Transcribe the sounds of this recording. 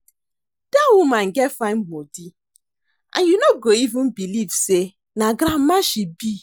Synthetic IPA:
d̥awumãn̩ɡɛfaɪmbodi | ʔã̰njunoɡoivũn̩bilivse | naɡɾam̩maʃibi

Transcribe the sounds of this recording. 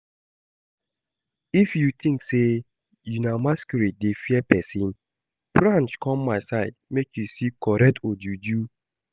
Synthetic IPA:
ifjut̪ʰĩŋkse | junamaskɔɾidefiɛpɛsĩn | b̥ɾãnt͡ʃkʰɔ̃mːaɪsaɪd̚mekjusikɔɾɛtʰod͡ʒud͡ʒu

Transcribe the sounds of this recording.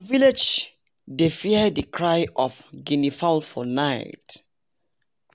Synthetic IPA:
viled͡ʒ | defiɛdəkʰɹajʔɔfɡinifalfɔnaɪt

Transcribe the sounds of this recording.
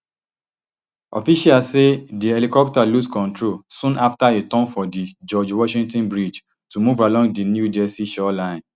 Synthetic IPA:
ʔɔ̰fiʃialsediɛlikɔp̚taluskɔ̃ntɹolsũnaftaetɔ̃nfɔdid͡ʒɔd͡ʒwɔʃĩŋtɔ̃nbɹid͡ʒ | tumuvalɔ̃ŋdinjudɛsiʃɔlãɪ̃n

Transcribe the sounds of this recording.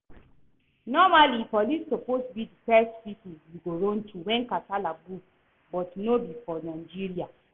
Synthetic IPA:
nɔmalipɔlisːopostubidifɛstpipujiɡoɹõntʰuwɛ̃nkatalaɡu | bɔtnobifɔnaɪd͡ʒiɹia

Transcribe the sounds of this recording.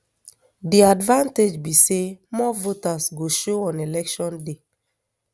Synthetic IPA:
diadvãnted͡ʒbisemɔvotasɡoʃoɔ̃nelɛkʃɔ̃nde

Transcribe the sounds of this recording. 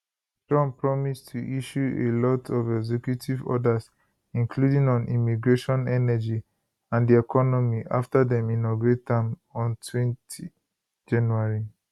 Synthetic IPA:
tɹɔ̃mpɹɔmistʰuʔiʃuḛlɔtʰɔvɛɡzɛkjutʰivɔ̰das | ĩŋkʰludĩŋɔ̃nimiɡɹeʃɔ̃nɛnɛd͡ʒi | ãndiɛkʰɔnɔmiʔa̰ftadɛ̃mĩnɔɡɹetʰãm | ɔ̃ntʰwɛ̃ntʰi | d͡ʒãnjuaɹi

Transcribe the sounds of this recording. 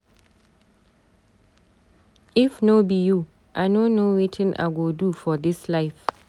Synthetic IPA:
ifnobiju | ʔajnonowetʰɪ̃nʔa̰ɡodufɔd̪ɪslaɪf

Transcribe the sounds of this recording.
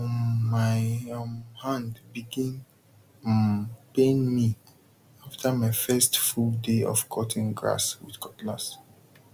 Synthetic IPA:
maɪmhãndbiɡĩn | pẽnmi | aftʰamaɪfɛstfuldeɔ̰fkʰɔtʰĩnɡɹa̰swḭθkʰɔtla̰s

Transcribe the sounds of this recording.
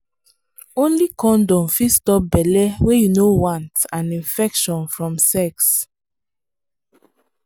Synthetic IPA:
õnlikɔ̃ndɔ̃mfistɔp̚bɛlɛwejunowãntãnĩnfɛkʃɔ̃nfɹɔ̃msɛks

